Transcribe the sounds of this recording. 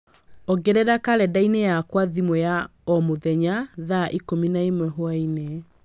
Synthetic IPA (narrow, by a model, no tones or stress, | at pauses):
ɔɡɛɾɛɾakaɾɛdainejakwaðimwɛjaɔmoðɛɲaðaʔikominaemwɛɦoainɛ